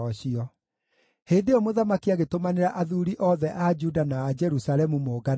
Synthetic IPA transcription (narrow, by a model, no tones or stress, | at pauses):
ɔɕiɔ | heːndeɔmoðamakiaɣetomaneɾaʔaðuɾiʔɔðɛʔad͡ʒudanaːd͡ʒɛɾusalɛmumoːɡa